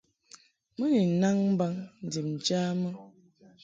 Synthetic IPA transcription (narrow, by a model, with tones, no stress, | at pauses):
mə˦ni˨na˦ŋm̩˦ba˦ŋn̩˨di˨m̩˨d͡ʒaː˦mə˦